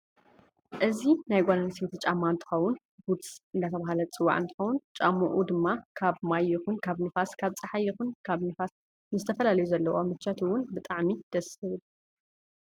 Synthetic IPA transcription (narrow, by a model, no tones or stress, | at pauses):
ʔɨzinajɡʷananset̪t͡ʃʼamːant̪ʰɨ̥xɐwʊn | bud̪sɨnd̪at̪ʰɐβaɦalɐt͡sʼɨwːa̰ʕɨnt̪ʰɨxɐwʊnt͡ʃʼamːɐʔud̪ɨmːakʰaβmajːɪxunkʰaβnɨfaskʰaβt͡sʼɐħajːɪxunkʰaβnɨfas | nɨzɨt̪ʰɐfɐlalɐjuzɐlːɐwomɨt͡ʃːat̪ʰɨwʊnbɨt̪ʼaʕmid̪̥ɐsɨβɨl